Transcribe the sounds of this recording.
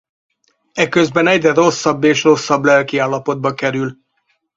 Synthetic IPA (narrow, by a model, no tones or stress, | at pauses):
ɛkøzbɛnɛɟrɛro̞sːɒbːeːʃro̞sːɒblɛlkiaːlːɒpo̞d̪̚bɒkɛɾyl